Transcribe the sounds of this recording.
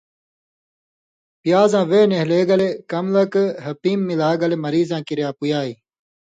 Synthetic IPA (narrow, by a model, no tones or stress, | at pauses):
pijaːzãːʋeːneɦleːɡɐlekɐmlɐkɦɐpiːmːilaːɡɐlemɐɾiːzãːkiɾjaːpujaːiː